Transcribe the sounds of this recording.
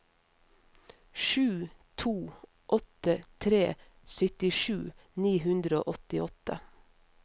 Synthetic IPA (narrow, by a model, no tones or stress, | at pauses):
ʃʉːt̪ʰuː | ʔɔt̪ət̪ʰɾeː | sʏt̪ɪʃʉːniːhʉnd̪ɾəo̰ːʔɔt̪ɪɔt̪ə̰